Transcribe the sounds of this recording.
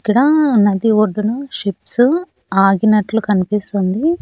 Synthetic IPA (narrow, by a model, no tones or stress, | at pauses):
kiɽɐnɐd̪ioɖɐnuʂipsuaːɡinɐʈːlukɐnpist̪ɐnd̪i